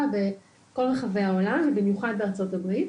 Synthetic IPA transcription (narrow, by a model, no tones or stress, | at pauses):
abe | ko̞lʁeχavejaolamvebimjuχad̪̚beaʁt͡so̞tabʁit